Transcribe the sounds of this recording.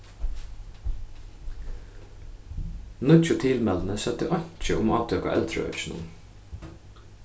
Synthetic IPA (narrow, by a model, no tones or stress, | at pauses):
nʉt͡ʃʊt̪ʰɪlmɛln̩əsɛt̪əʔɑɲc͡çəʔʊmɑːt̪ʰøːkɑ̰ʔɛ̰lt̪ʰɾə̰œ̰t͡ʃnʊ̰n